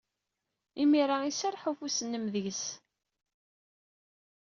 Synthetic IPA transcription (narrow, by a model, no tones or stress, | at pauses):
imiɾˤaisaɾˤħufusənːəmðəʝəs